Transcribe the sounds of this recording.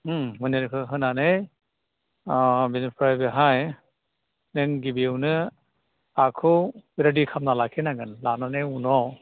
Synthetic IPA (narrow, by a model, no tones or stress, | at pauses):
mɯneɾkʰɯɦɯnanej | binipʰɾajbeɦaj | nɯŋɡibiɯwnɯ | akʰɯwbiɾadikʰamnalakʰenaɡɯnlananejunɔ